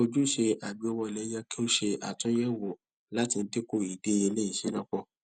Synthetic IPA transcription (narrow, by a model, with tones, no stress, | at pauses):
o˧d͡ʒu˦ʃe˧a˨bi˨˦o˧wɔ˧˨lɛ˨˦ja˧kĩ˦o˦ʃe˧a̰˨tũ˨˦jɛ˦˨wo˨ | la˦tĩ˧n̩˦de˦ko˦˨i˨de˦e˧le˦i˨ʃi˨˦nã˦k͡pɔ˧˨